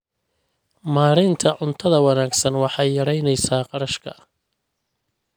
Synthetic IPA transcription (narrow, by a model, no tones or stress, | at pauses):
maːɾɪnt̪ʰɐʕʊnt̪ʰɐðɐwɑnaːɡsɐnwɑħɑjːɐɾɛjnɛjsaːqɑɾɐʃkʰɐ̰